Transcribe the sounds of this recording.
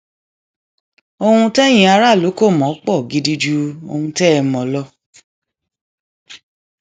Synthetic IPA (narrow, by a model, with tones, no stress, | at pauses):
o˧hũ˧tɛ˦j̃ĩ˨a˧ɾa˦˨lo˨˦ko˦˨mɔ̃˨˦k͡pɔ˦˨ɡi˧˦di˧d͡ʒu˦o̰˧hũ˧tɛ˦˧mɔ̃˨lɔ˧˦